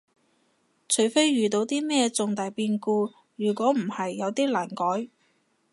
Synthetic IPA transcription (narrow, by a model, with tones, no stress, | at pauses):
t͡ʃʰɵ˨˩ɥfe˥jɥyː˨t̪o˨˧wt̪iː˥mɛː˥t͡sʊ˨˧ŋt̪aː˨˩jpiː˧nkuː˧ | jyː˨˩kʷɔː˨˥m̩˨˩hɐ˨jːɐ˨˧wt̪iː˥laː˨˩nkɔː˨˥j